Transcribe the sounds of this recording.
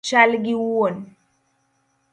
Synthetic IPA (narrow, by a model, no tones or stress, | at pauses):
t͡ʃalɡiwuwɔn